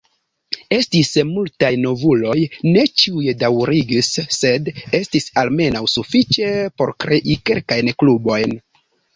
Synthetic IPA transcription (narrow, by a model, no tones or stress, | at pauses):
e̞stismultajno̞vulo̞jne̞t͡ʃiujedawɾiɡisːe̞de̞stisalme̞nawsufit͡ʃe̞po̞̰ɾkɾe̞ʔike̞̰lkajnklubo̞jn